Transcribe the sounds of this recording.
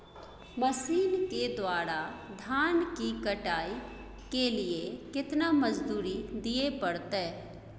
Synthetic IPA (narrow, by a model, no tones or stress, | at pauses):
məsiːnked̪owaːɾad̪ʱaːnkikəʈaːi | kelɪekɪt̪naːməd͡ʒd̪uːɾid̪ɪepəɽt̪eː